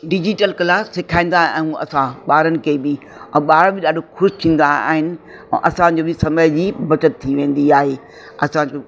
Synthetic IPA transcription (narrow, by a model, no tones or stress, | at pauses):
ɖɪd͡ʑɪʈəlkɐlaːsːɪkʰaːĩn̆d̪aːã̰ɦũɐ̰sãɓaːɾənɪ̆kʰeːbɪ | ɛ̃ːɓaːɾõbɪɗaːɖʱoxʊʃt̪ʰĩːn̆d̪aa̰ːɦɪnɪ̆ | ɛ̰̃ʔɐsãd͡ʑoːbɪsɐməjd͡ʑiːbɐt͡ɕət̪t̪ʰːiʋẽːn̆d̪iaːɦeː | ɐsãd͡ʑoː